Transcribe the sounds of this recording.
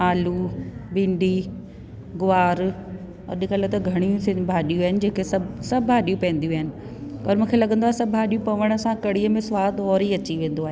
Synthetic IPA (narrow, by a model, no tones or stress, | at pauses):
aːlubɪ̃ɳɖʱi | ɡʊaːɾ | ɐ̰ɗɪkəlet̪ɐɡʱɐɽ̃ijũsɪ̃nbʱaːɗijũaːɦɪnɪ̆d͡ʑeːkesɐbsɐbʱɦaːɗijũpɐ̃ːn̆d̪ijũaːɦɪnɪ̆ | ɔːɾmũːkʰelɐɡə̃nd̪oaːɦesɐbʱaːɗijũpɐʋəɽ̃əsãkɐɽiəmẽsʋaːd̪ɔːɾiɐt͡ɕiʋẽːn̆d̪oaːɦeː